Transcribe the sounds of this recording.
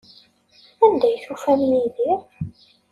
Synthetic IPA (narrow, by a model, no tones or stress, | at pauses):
ænd̪æjθufæmniðiɾ